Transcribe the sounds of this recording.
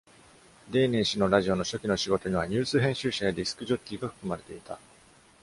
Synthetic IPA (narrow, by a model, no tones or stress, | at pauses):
d̪e̞ːne̞ːɕino̞ɾaʑio̞no̞ɕo̞kʲino̞ɕiɡo̞t̪o̞ɲ̟iβaɲ̟ɨːt͡sɨːɦẽ̞ɕɨːɕajad̪ʲisɨ̥kɯ̟ʑo̞kʲːiːɡaɸɯ̟̥kɯ̟maɾe̞t̪e̞it̪a̰